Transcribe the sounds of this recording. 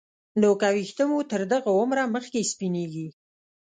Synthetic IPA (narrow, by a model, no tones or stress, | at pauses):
nokawixt̪əmut̪əɾd̪əɣaʊmɾaməxkespineɡi